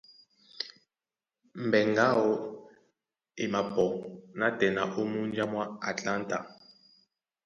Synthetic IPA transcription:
m˨bɛ˨ŋɡa˦wɔ˦ | i˨ma˨bɔ˨na˦tɛ˨na̰˨ʔu˦mu˦nd͡ʒa˦mwa˦a˨tʼla˦ntʼa˨

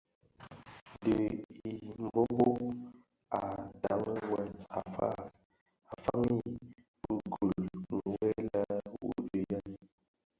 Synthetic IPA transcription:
de˨i˨m̩˨bo˦bo˦ | a˨da˨˦ŋ˦wa˨a̰˨fa̰˦˨ | a˨fa˦ŋi˦ | bu˦ɡu˨lŋ̩˨wɛ˦la˦wṵ˨de˨ja˦n

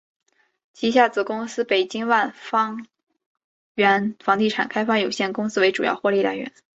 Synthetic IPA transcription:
t͡ɕʰi˧˥ɕja˥˩t͡sɹ̩˥˩kʊ˥ŋsɹ̩˥pe˨˩ɪt͡ɕi˥ŋwa˥˩nfɑ˥ŋ | ɥɛ˧˥nfɑ˧˥ŋt̪i˥˩ʈ͡ʂʰa̰˨˩nkʰa˥ɪfa˥˩jo˨˩ʊɕjɛ˥˩nkʊ˥ŋsɹ̩˥we˧˥ɪʈ͡ʂu˨˩jɑ̰˥˧ʊxwɔ˥˧li˥˩la̰˧˥ɪɥɛ̰˧˥n

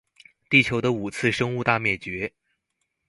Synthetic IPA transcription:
t̪i˥˩t͡ɕʰjo˧˥ʊd̪ə˧u˨˩t͡sʰɹ̩˥˧ʂɤ˥ŋu˥˧t̪a˥˧mjɛ˥˩t͡ɕɥɛ˧˥

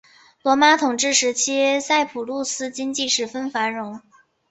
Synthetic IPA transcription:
lwɔ˧˥ma˥t̪ʰʊ˨˩ŋʈ͡ʂɻ̩˥˩ʂɻ̩˧˥t͡ɕʰi˥sa˥˩ɪpʰu˨˩lu˥˩sɹ̩˥t͡ɕi˥ŋt͡ɕi˥˧ʂɻ̩˥˩fə˥nfa˧˥ɻʊ˧˥ŋ

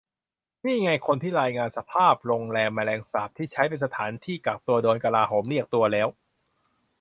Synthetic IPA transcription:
miː˥˩ŋa˧jkʰo˧nt̪ʰiː˥˩ɾaː˧jŋaː˧nsa˧pʰaː˥˩p̚ɾoː˧ŋlɛː˧mːa˧lɛː˧ŋsaː˨˩p̚t̪ʰiː˥˩t͡ɕʰa˦˥jpe˧nsa˧t̪ʰaː˩˦nt̪ʰiː˥˩kaː˨˩k̚t̪u˧ɐdoː˧nka˧laː˧ɦoː˩˦mli˥˩ək̚t̪u˧ɐlɛː˦˥w

